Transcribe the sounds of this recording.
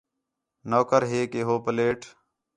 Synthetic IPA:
noːkəɾɦeːkeːɦoːpəleːʈʰ

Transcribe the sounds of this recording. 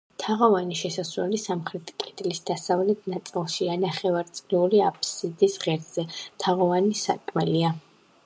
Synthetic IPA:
t̪ʰaʁɔvaniʃɛsasɾɛlisamχɾɛt̪ʰkʼɛd̪ʼlisd̪asavlɛt̪ʰnat̪sʼilˠʃianaχɛvaɾt̪sʼliuliapʰʼsid̪isʁɛɾz̥ɛt̪ʰaʁɔvanisa̰kʼmɛlia

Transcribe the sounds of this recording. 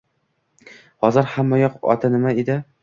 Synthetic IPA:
hɒzɤɾhamːæjɒqɒ̰t̪ʰanɪmaid̪ɪ

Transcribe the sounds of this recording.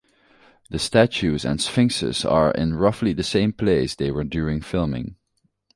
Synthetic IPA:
ðəstæt͡ʃʉzə̰̃nsfɪ̃ŋsə̰zə̰ɹɪ̰̃nɹʌfliðɨsẽɪ̃mpʰl̥eɪsðeɪwə˞djʊɹɪ̃ŋfɪlˠmɪ̰̃ŋ

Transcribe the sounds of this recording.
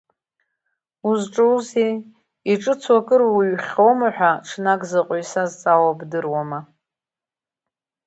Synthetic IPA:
uzʈ͡ʂʼɨze | iʈ͡ʂʼɨt͡sʰwakʼɨrwɥχʲowmaħʷᶣaʈ͡ʂʰnakʼzɨqʼɥsazt͡sʼawabdɨrwama

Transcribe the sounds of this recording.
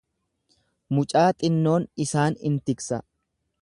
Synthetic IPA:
mʊt͡ʃʼaːt̪ʼɪnːo̞ːnɪsaːnɪ̰nt̪ɪksɐ

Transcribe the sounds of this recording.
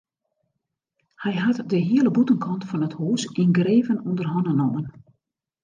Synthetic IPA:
hɛjɦatdəɦiələbutənkʰɔntfɔnəthuːsinɡreːvənundərɦɔnənomən

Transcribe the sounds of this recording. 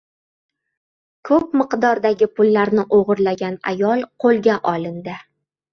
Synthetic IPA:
kʰɵp̚mɨqd̪ɒɾd̪aɡʲɪpʊlːaɾnɪʔoʁɨɾlaɡʲana̰jɒlˠqʰolˠɡʲaʔɒlˠɪnd̪ɪ

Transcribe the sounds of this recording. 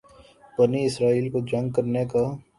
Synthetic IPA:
b̥ɐniɪsɾaːiːlkod͡ʒɐ̃ŋɡ̚kɐɾneka

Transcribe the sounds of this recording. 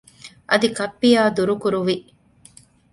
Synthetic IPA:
ʔɐd̪ikɐpːijaːd̪uɾukuɾuʋi

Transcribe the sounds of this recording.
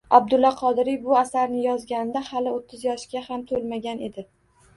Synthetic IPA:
ab̚d̪ʊlːɒqʰɒd̪ɪɾijbʊasaɾnɪjɒzɡʲanɪd̪ahalɪot̪ʰːɪzjɒʃɡʲahamt̪ʰolmaɡʲane̞d̪ɪ

